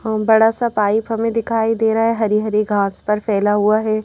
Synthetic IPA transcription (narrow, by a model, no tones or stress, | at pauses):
bɐɽasapaːɪpɦɐmẽd̪ɪkʰaːid̪eːɾaɦɛɦɐɾiɦɐɾiɡʱãːspɐɾfɛːlaɦuaɦɛː